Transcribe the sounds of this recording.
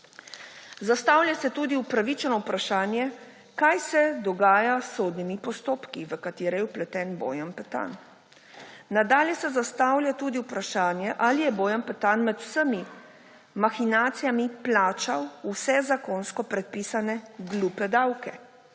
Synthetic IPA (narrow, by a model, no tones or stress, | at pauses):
zast̪awlʲjasɛt̪uːd̪iupɾaʋit͡ʃɛnɔwpɾaʃaːnjɛ | kajsɛd̪ɔɡaːjasːoːd̪nimipɔst̪oːpkiʋəkat̪ɪːɾɛjɛuplɛt̪ɛːnbo̰ːjampɛt̪a̰n | nad̪aːlʲjɛsɛzast̪awlʲjat̪uːd̪iuwpɾaʃaːnjɛʔalijɛboːjampɛt̪anmɛd̪u̥səmi | maxinaːt̪sijamiplaːt͡ʃawusɛzakonskɔpɾɛt̪̚piːsanɛɡluːpɛd̪awkɛ